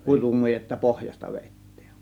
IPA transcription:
kutumujetːɑ pohjɑstɑ ʋeˑitːiːn

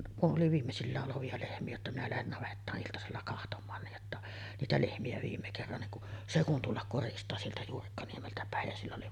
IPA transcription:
kuʔ ʔoli ʋiːmːesilːæːʔ ʔoloʋiɑ lehmiæ jotːɑ minæ læhen nɑʋetːɑːʔ ʔiltɑselːɑ kɑhtomˑɑːn niːj jotːɑ niːtæ lehmiæ ʋiːmːe kerːɑn niŋ ku se kun tulːɑk koristɑː sieltæ juːrikːɑniemeltæ pæˑej jæ silː oli

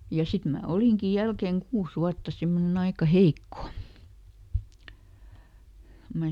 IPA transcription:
jɑ sit mæː oliŋki jælkeŋ kuːs wuɑtːɑ simːonen ɑikɑ heikːo ko mæ

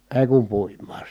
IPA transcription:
eˑi̯ kum puimˑɑː

